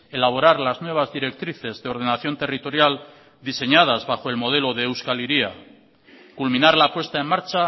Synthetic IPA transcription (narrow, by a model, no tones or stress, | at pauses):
e̞laβ̞o̞ɾaɾlaznwe̞β̞azðiɾe̞k̚t̪ɾiθe̞zðeo̞ɾðe̞naθjo̞nt̪e̞rit̪o̞ɾjal | d̪ise̞ɲað̞azβaxo̞e̞lmo̞ð̞e̞lo̞ðeːwskaliɾia | kulmĩnaɾlapwe̞st̪ae̞nmaɾt͡ʃa